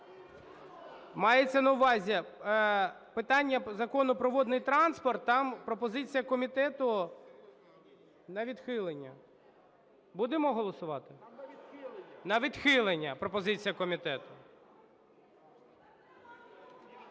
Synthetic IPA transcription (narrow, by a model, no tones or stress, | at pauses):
mɑjet͡sʲːɐnɐʊʋɑzʲi | pɪt̪ɑnʲːɐzɐkɔnʊpɾɔʋɔd̪nɪjt̪ɾɑnspɔrt̪ːɑmpɾɔpɔzɪt͡sʲijɐkɔmʲit̪ɛt̪ʊ | nɐʋʲid̪xɪlˠenʲːɐ̰ | bud̪emɔɦɔlˠɔsʊʋɑt̪ɪ | nɐʋʲid̪xɪlˠenʲːɐpɾɔpɔzɪt͡sʲijɐkɔmʲit̪ɛt̪ʊ